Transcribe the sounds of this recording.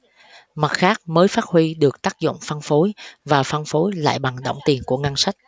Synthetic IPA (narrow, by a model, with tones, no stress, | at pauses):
ma˨˩t̚xaː˦˥k̚məː˨˦jfaː˦˥t̚hwi˧ɗɨ˨˩ək̚t̪aː˦˥k̚zʊ̰˧˨wŋ͡mfa˧nfo˨˦jvaː˨˩fa˧nfo˨˦jla̰ː˧˨jɓa˨˩ŋɗo̰˧˩wŋ͡mt̪i˨˩ənku˧˩əŋa˧nsa˦˥k̚